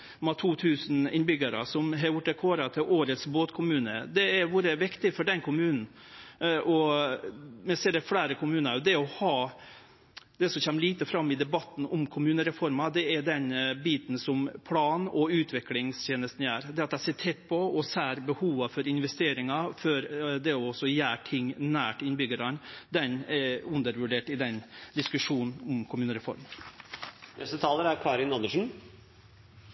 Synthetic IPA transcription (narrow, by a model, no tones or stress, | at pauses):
mɑt̪ʰuːt̪ʰʉːsnɪ̰nbʏɡɑɾə̰sɔmɦɑɾjʊʈ̪ːɛkʰoːɾɑt̪ʰɪʔoːɾət̪sboːt̪kʰʊmʉːnə̰d̪ɛæɾʋʊɾɛʋɪkt̪ɪfɔɖɛnkʰʊmʉːnn̩ | ʔɔ | mɛseːd̪ɛfɽæːɾəkʊmʉːnɑɾd̪ɛɔhɑː | d̪̥ɛsɔçɛmːliːt̪əfɾɑmːɪd̪ɛbɑt̪ːn̩ɔmkʰʊmʉːnəɾɛfɔɾmɑd̪ɛæɖɛnbiːt̪n̩sɔmpʰlɑːnɔʉːt̪ʰʋɪklɪŋst̪ʰeːnəst̪n̩jæːɾd̪ɛːɑt̪d̪æɪseːʈʰɛt̪ːpʰɔɔsæːɾbəhuːʋɑfɔɾɪnʋɛst̪eːɾɪŋɑfɔɾd̪ɛɔɔsːɔjæːʈʰɪŋːnæːʈɪnbʏɡəɾɑnd̪ɛnɛʉnd̪əɾʋʉɖeːʈɪd̪ɛnd̪ɪskʉʂuːnn̩ɔmkʰʊmʉːnəɾɛfɔ̰ɾm | nɛst̪ət̪ʰɑːləɾæɾkʰɑːɾɪnɑnd̪əʂn̩